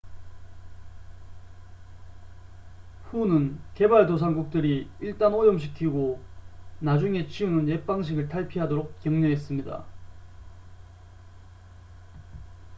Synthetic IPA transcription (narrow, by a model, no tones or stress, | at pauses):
ɸunɯnke̞baɭtos̬ʰaŋɡuk̚t͈ɯɾiiɭt͈anojʌmɕ̬ʰikʰiɡo | nad͡ʑuŋe̞t͡ɕʰiunɯnjep͈aŋɕ̬ʰiɡɯɭtʰaɭpʰiɦadoɾok̚kjʌŋɲʌɦe̞s͈ɯmɲida̰